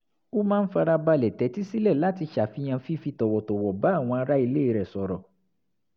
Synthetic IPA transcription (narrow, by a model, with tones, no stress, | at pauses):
o˦mãː˦n̩˦fa˧ɾa˧ba˧lɛ˨tɛ˨˦ti˦si˦lɛ˦˨la˨˦ti˧ʃa˨fi˧˦j̃ã˧fi˦fi˧tɔ˨wɔ˨tɔ˨wɔ˨ba˨˦˨w̃ɔ̃˧a˧ɾa˦i˧le˦i˦˧ɾɛ˨sɔ˨ɾɔ˨